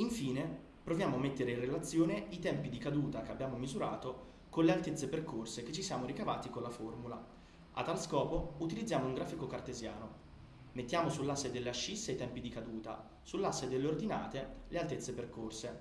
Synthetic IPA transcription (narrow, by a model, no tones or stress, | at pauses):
iɱfiːne | pɾovjaːmoamːet̪ːeɾeinrelat̪sːjoːneit̪ɛmpid̪ikad̪uːt̪akeabːjaːmomizuɾaːt̪o | konlealt̪et̪sːeperkorsek̟et͡ʃːisjaːmoɾikavaːt̪ikonlaformula | a̰t̪ːalskɔːpout̪ilid̪zːjaːmouŋɡɾaːfikokart̪ezja̰ːno | met̪ːjaːmosulːasːed̪elːeaʃːisːejt̪ɛmpid̪ikad̪uːt̪a̰ | sulːasːed̪elːeord̪ina̰ːt̪elealt̪et̪sːeperkorse